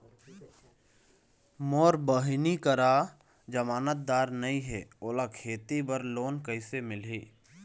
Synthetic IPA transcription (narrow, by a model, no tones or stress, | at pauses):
mɔːɾbəɦnikəɾa | d͡ʒəmaːnət̪̚d̪aːɾnəĩɦɛːoːlakʰeːt̪ibəɾloːnkəɪsemɪlɦiː